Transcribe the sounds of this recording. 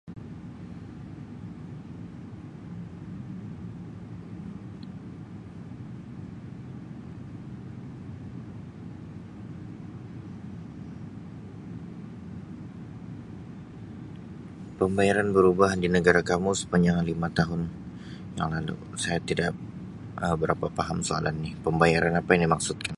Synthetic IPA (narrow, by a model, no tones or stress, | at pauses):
pəmbajaɾanbəɾubaɦdinəɡaɾakamusə̥paɲd͡ʒaŋlimat̪aɦʊn | ja̰ŋlalṵ | sajat̪idaʔ | ʔəbəɾapapaɦamsoa̰lanːɪhpəmbajaɾanapajaŋdimaksut̪̚kan